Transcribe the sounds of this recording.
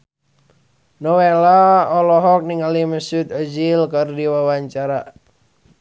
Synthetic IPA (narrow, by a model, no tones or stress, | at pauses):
nɔwelaɔlɔɦɔk̚niŋaliməsut̪əd͡ʒilkɨrdiwawaɲt͡ʃaɾa